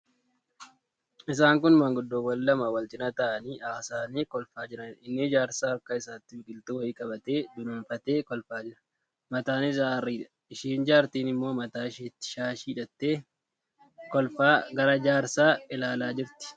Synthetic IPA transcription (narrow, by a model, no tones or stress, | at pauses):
ɪs̬aːŋkʊnmɐŋɡʊd̪ːoːwɐlːɐmɐwɐlt̪ɪnɐt̪ɐʔɐniːʔɐsaːniːkɔlfaːd͡ʒɪɾɐnɪnːɪd͡ʒaːɾsaːɐkːɐɪsaːt̪ːɪɪkʼɪlt̪ʊwɐjɪkʼɐbɐt̪e̞ːd̪ʊnʊmfɐt̪e̞ːkɔlfaːd͡ʒɪɾɐ̥ | mɐt̪aːnɪsaːɐriːᶑɐ̥ | ɪʃiːnd͡ʒaːɾt̪iːnɪmːoːmɐt̪aːɪʃeːt̪ːɪ̥ʃaːʃiːᶑɐt̪ːe̞ː | kɔlfaːɡɐɾɐd͡ʒaːɾsaːɪlaːlaːd͡ʒɪɾt̪ɪ̥